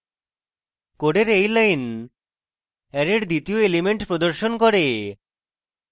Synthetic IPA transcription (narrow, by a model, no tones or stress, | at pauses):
koɖeɾejlajn | ɛɾeɾd̪it̪ioelimeɳʈpɾod̪oɾʃonkɔɾe